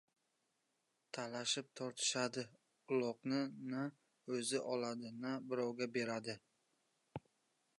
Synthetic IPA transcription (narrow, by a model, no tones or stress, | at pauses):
t̪ʰalaʃɪp̚t̪ʰɒɾt̪ʰɪ̥ʃad̪ɪ | ʊlˠɒqnɪna | ɵzɪʔɒlˠad̪ɪnabɪɾɒwɡʲabe̞ɾad̪ɪ